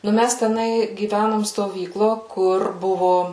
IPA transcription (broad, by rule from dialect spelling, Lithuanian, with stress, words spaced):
nʊ ˈmʲæs tʲɛˈnɐɪ ɡʲiːˈʋʲænoːm stoːˈʋʲiːklˠoː ˈkʊr ˈbʊʋoː